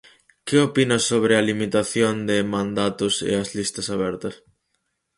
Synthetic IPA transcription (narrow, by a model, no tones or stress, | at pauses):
kɪopinɐsoβ̞ɾɪɐlimit̪aθjond̪ɪmãnd̪at̪ʊsḛɐzlist̪ɐsaβɛɾt̪ɐs